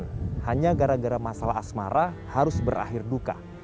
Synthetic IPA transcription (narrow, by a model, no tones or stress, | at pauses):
nhaɲaɡaɾaɡaɾamasalaːsmaɾa | haɾʊsbəɾʔa̰ɦɪrduka̰